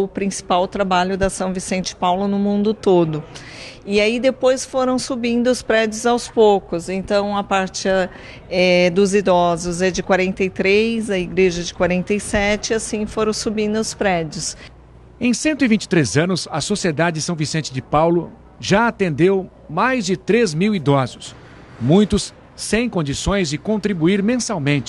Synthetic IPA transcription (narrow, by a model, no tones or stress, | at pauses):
ʊpɾĩsi̥pawt̪ɾabaʎʊd̪ɐsɐ̃w̃visẽnt͡ʃɪ̥pawlʊnʊmũnd̪ʊt̪od̪ʊ | ɪaid̪epojsfoɾɐ̃w̃subĩnd̪ʊʊspɾɛd͡ʒʊzawspowkʊzẽnt̪ɐ̃w̃ɐpaɾt͡ʃɪɐ | ɛd̪ʊzid̪ɔzʊzɛd͡ʒɪkwaɾẽnt̪ejt̪ɾejzɐiɡɾeʒɐd͡ʒɪkwaɾẽnt̪ejsɛt͡ʃɪasĩfoɾɐ̃w̃subĩnd̪ʊʊspɾɛd͡ʒʊs | ẽj̃sẽnt̪ʊivĩnt͡ʃɪ̥t̪ɾezɐ̃nʊsɐsosied̪ad͡ʒɪsɐ̃w̃visẽnt͡ʃɪd͡ʒɪpawlʊ | ʒaat̪ẽnd̪ew | majzd͡ʒɪt̪ɾezmiwid̪ɔzʊs | mũj̃t̪ʊsː | ẽj̃kõnd͡ʒisõj̃zd͡ʒɪkõnt̪ɾibuiɾmẽsawmẽnt͡ʃɪ